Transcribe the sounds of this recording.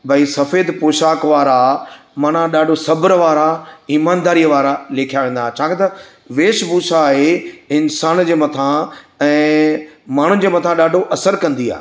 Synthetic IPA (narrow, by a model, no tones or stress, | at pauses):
bʱɐisɐfeːd̪poːʃaːkʋaːɾa | maːnãɗaːɖʱosɐbəɾʋaːɾaiːmaːnd̪aːɾijəʋaːɾaleːkʰijaʋẽːn̆d̪aːɦet͡ɕʰaːkẽt̪ɐ | ʋeːʃbuːsaɦeɪnsaːnd͡ʑeːmɐt̪ʰãɛ̃ː | maːɳ̤ʊ̃d͡ʑeːmɐt̪ʰãɗaːɖʱoʔɐsəɾkɐ̃nd̪ia̰ːɦ